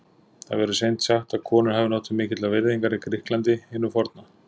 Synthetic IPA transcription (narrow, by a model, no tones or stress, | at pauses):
θa̰ðvɛɾʏsejnt̪saxt̪aðkʰɔːnʏɾ̥hɛvɪnowt̪ʏmːɪːcɪt̪lavɪɾðiŋkaɾɪkʰɾɪhklant̪ɪɪnːʏɾfɔɾt̪na